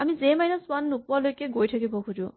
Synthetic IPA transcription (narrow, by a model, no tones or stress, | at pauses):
amizemajnɔswanːuk̚walojkeɡojtʰakebɔkʰud͡ʒu